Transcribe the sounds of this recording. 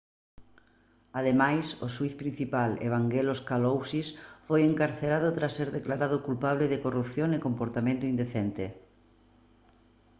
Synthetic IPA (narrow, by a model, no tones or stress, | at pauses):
að̞emajsʊswiθpɾin̟θipalḛβ̞aŋɡeloskalowsisfojeŋkaɾθeɾað̞ʊt̪ɾasːeɾðeklaɾaðʊkulpaβlɪðɪkorupθjoŋɪkompoɾt̪amẽnt̪ʊind̪eθent̪ɪ